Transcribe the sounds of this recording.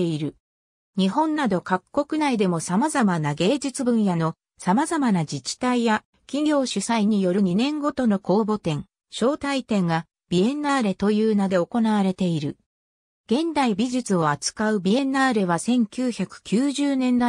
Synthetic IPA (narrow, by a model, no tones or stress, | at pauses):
eiɾɯ̟ | ɲ̟iɦõ̞nːad̪o̞kakːo̞kɯ̟naid̪e̞mo̞samazamanaɡe̞ːd͡ʑɨt͡sɨbɯ̟̃ɰ̃jano̞ | samazamanad͡ʑit͡ɕi̥t̪aija | kʲiɡʲo̞ːɕɨsaiɲ̟ijo̞ɾɯ̟ɲ̟inẽ̞ŋɡo̞t̪o̞no̞ko̞ːbo̞t̪ẽ̞ŋ | ɕo̞ːt̪ait̪ẽ̞ŋɡa | b̥ʲie̞naːɾe̞t̪o̞jɯːnad̪e̞o̞ko̞naβ̞aɾe̞t̪e̞iɾɯ̟̰ | ɡ̥ẽ̞nd̪aibʲiʑɨt͡sɨo̞at͡sɨ̥kaɯ̟bʲie̞naːɾe̞βasẽ̞ŋkʲɨːçakɯ̟̥kʲɨːʑɨːnẽ̞nd̪a